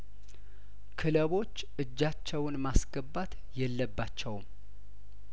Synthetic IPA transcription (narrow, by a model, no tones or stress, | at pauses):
kʰɨləβo̞t͡ʃːʔɨd͡ʒːat͡ʃːɛwnmasɡəbːat̪ | jɛlːəbːat͡ʃːɛwm